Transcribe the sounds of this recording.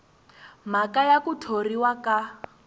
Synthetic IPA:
m̤akajakutʰoriwaka

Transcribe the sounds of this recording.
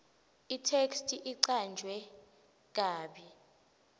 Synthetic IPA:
itʰekstʼiʔiǀand͡ʒʱwɛ | k̬aːɓi

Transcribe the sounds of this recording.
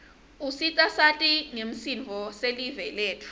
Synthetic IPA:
usitʼasatʼiŋem̩sinvʱɔselivɛlɛːtʰʼu̥

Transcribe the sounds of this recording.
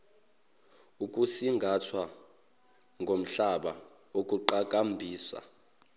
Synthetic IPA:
ukʼusiŋɡʱatʰwa | ŋɡʱom̩ɬaɓa | ok̬ʼuǃak̬ʼambʱiːsa̰

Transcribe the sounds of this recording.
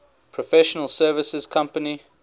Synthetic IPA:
pʰɹɔfɛʃənəlˠsɜːvəsəz̥kʰãmpəni

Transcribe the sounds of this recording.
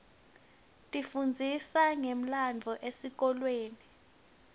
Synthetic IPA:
tʼifund͡zʱisaŋem̩land͡vʱɔʔesik̬ɔlweːni

